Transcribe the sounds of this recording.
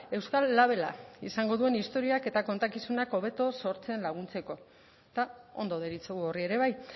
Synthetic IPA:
e̞wskalːaβ̞e̞la̰isaŋɡo̞ðue̞nist̪o̞ɾiake̞t̪ako̞nt̪akisunako̞β̞e̞t̪o̞so̞ɾt͡se̞nlaɣ̞unt͡se̞ko̞ | t̪ao̞̰nd̪o̞ðeɾit͡seɣuo̞rie̞ɾe̞β̞aj

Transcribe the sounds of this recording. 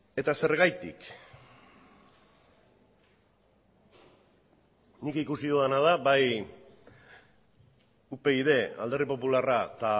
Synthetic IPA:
e̞t̪ase̞ɾɣajt̪ḭk | nikikusioanað̞aβaj | upe̞iðe̞a̰ld̪e̞ripo̞pularat̪a

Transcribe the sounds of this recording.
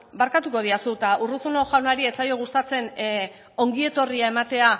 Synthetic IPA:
baɾkat̪uko̞ð̞iasut̪aurusunoʝawnaɾie̞t͡sajo̞ɣust̪at͡se̞n | o̞ŋɡie̞t̪o̞riae̞mat̪e̞a

